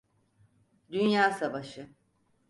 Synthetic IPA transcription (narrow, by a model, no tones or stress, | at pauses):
d̪ynjaːsavaʃɯ